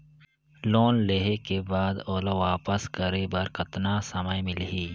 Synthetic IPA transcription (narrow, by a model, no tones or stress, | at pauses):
loːnleɦekebaːd̪oːloʋaːpəskəɾeːbɐɾkɐt̪naːsɐməjmɪlɦiː